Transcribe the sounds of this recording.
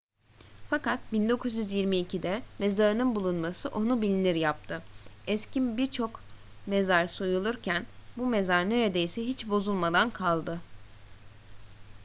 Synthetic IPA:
fakat̪̚bind̪o̞kʰuzjyzjiɾmiːcʰid̪ɛme̞zaɾɯnɯnbulˠunmasɯʔo̞nubilʲiniɾjap̚t̪ʰɯɛscimbiɾt͡ʃʰo̞k | mezaɾso̞julˠuɾcʰænbume̞zaɾne̞ɾed̪e̞jsɛɦit͡ʃbo̞zulˠmad̪ankʰalˠd̪ɯ

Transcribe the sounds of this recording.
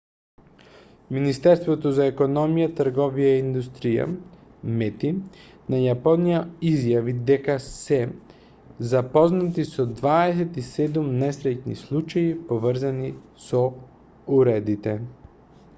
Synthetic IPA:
minist̪ɛɾst̪vot̪ozaɛkonɔmijat̪əɾɡɔvijaind̪ust̪ɾija̰mɛt̪i | najapɔnijaizjavid̪ɛkasɛ | zapɔznat̪isɔd̪vaɛs̬ɛt̪isɛd̪umnɛsɾɛcnḭslˠut͡ʃaipovəɾzani | so | uɾɛd̪it̪ɛ

